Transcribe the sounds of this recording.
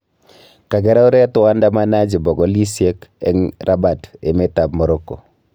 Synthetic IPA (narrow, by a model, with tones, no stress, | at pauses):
ka˨ɡɛ˦ɾa˦u˦ɾe˦tu˦wa˦nda˦ma˦na˦d͡ʒi˨bɔ˨ɡɔ˦li˦si˦e˦kɛ̰˨˦ŋɾʔa˦ba˨te˨me˦ta˨bmo˨ɾo˦kːo˨